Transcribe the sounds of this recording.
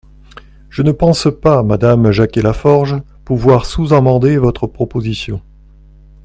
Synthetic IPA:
ʒ̥ənəpɑ̃spamad̪amʒakʲelafɔʁʒ | puvwaʁsuzamɑ̃d̪evɔt̪χəpχɔpozisjɔ̃

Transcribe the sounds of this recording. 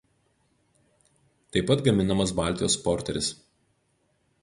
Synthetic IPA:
t̪ɐɪpːɐt̪ɡɐmʲɪnɐmɐs̬bɑˑlʲt̪ʲɪjoːspɔɾʲt̪ʲɛɾʲɪs

